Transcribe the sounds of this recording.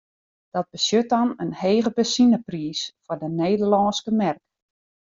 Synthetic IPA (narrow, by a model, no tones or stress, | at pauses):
d̥ɔt̚b̥əsjøt̚ɔnənheːɣəbəsinəpriːsfɔrdəneːdərlɔːskəmɛrk